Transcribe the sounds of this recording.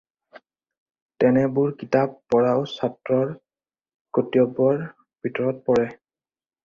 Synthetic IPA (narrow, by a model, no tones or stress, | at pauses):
tɛnɛbʊɹkitapːɔɹaʊsatɹɔɹ | kotiɔbɔɹ | bʱitɔɹɔt̚pɔɹɛ